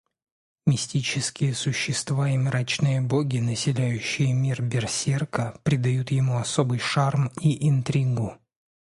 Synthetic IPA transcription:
mʲɪsʲtʲit͡ɕɪskʲɪjəsʊɕːɪst̪vaimɾat͡ɕnɨjəboɡʲɪnəsʲɪlʲæjʉɕːɪjəmʲirbʲɪrsʲerkəpɾʲɪd̪ɐjut̪jɪmuɐso̞bɨjʂarmiʔɪnt̪ɾʲiɡʊ

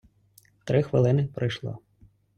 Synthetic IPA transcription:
t̪ɾɪxʋɪlˠɪnɪpɾɪjʃlˠɑ̰

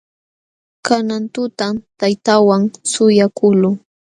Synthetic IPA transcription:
kanant̪ʊt̪amt̪ajt̪awaŋsʊjakʰʊlʊ

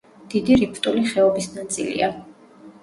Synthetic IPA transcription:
d̪̥id̪iɾipʰt̪ʼuliχɛɔbisnat̪sʼḭlḭa

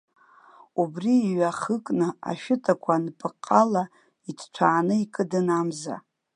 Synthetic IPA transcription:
ubriːɥaχəkʼnɨa̰ʃᶣɪtʰʼakʷʰanpʼɨqʼːala | itʰt͡ʃʷʰaːnɨikʼɨdɨnamza̰

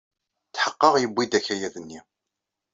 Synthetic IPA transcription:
t͡sːħəqːəʁjəbːid̪æçæjæðənːi

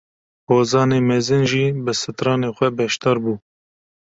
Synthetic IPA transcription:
poːzɑːneːmɛzɨnʒiːbɨsɨt̪ɾɑːneːxʷɛbɛʃt̪ɑːɾbuː

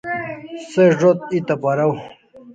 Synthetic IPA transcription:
seʐot̪̚it̪apɐɾaw

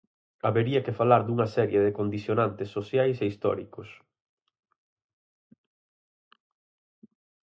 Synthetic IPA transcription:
aβeɾiɐkefalaɾd̪uŋɐsɛɾjeðɪkond̪iθjonant̪ɪsːoθjajseist̪ɔ̰ɾikʊs

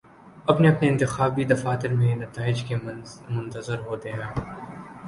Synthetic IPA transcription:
ɐpneɐpneɪnt̪ɪxaːbid̪ɐfaːt̪ɪɾmẽnɐt̪aːɪd͡ʒkemʊ̃nt̪əzəɾɦoːt̪eɦɛ̃ː

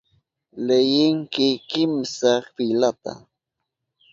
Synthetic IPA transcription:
lejɪŋkɪkɪmsɑχfilat̪a̰

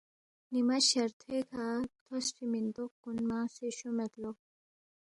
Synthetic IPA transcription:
nimaʃɐɾt̪ʰekʰat̪ʰɔsʈimint̪okːunmaseʃomɛt̪lo

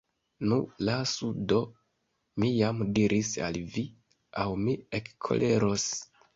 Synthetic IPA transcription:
nulasudo̞ | mijamdiɾisa̰lvi | awmiekkʰo̰lʔe̞ɾo̞s

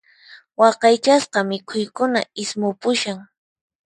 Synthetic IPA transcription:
wɑqɑjt͡ʃasqɑmɪkʰʊjkʊna̰ɪsmʊpʊʃaŋ

